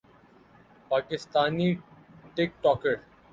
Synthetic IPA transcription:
paːkɪst̪aːniʈek̚ʈɔːkeɾ

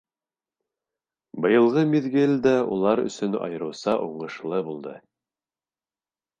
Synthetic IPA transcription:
bɤ̆jɤ̆lˠʁɤmiðɡɘlʲd̪æulˠɑɾɵ̰̆sɵnɑ̰jɤ̆ɾɤ̆wsɑʔuɴɤ̆ʃlˠɤbulˠd̪ɤ

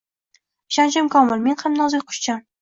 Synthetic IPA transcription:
ʃant͡ʃɪmkʰɒmɪlme̞nhamnɒzɪjqʰʊ̥ʃt͡ʃʰam

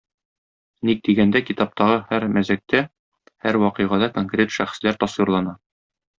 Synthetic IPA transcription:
nik̚d̪iɡænd̪ækit̪ɑp̚t̪ɑʁɤhæɾmæzæk̚t̪æ | hæɾwɒqɤ̆jʁɑd̪ɑkoŋkrʲet̪ʃæχɘ̥̆slæɾt̪ɒswiɾlˠɑnɑ

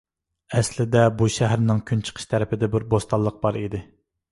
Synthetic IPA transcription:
ɛslɪd̪ɛbuʃæɦæɾnɪŋkʲʰynt͡ʃʰə̥qʰə̥ʃt̪ʰæɾɪpʰɪd̪ɛbɪɾbost̪ɑlˠːəq̚b̥ɑɾid̪ɪ

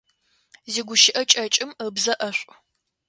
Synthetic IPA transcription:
ziːɡʷʊʃɪʔɐt͡ʃʼɐt͡ʃʼɪmbzɐʔɐɕʷʼ

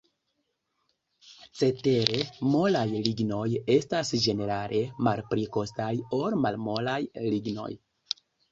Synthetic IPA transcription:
t͡se̞te̞ɾe̞mo̞lajliɡno̞je̞stasd͡ʒe̞ne̞ɾalʔe̞malpɾiko̞stajo̞ɾmalmo̞lajliɡno̞̰j

